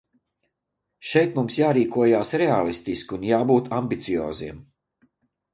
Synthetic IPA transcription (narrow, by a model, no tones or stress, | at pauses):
ʃɛjt̪mumsjaːɾiːkuɔjaːsɾɛalˠist̪iskʲunjaːbuːt̪ambit̪sijɔ̰ːziɛm